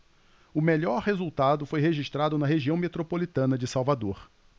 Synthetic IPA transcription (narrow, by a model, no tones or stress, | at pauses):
ʊmeʎɔɾhezuwt̪ad̪ʊfojɦeʒiʃt̪ɾad̪ʊnɐɦeʒiɐ̃w̃met̪ɾopolit̪ɐ̃nɐd͡ʒɪsawvad̪oɾ